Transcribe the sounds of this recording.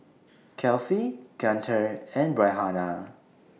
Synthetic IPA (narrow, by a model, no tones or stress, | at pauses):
kʰɛlfiɡ̥ãntʰəɹɛ̃nbɹaɪɦana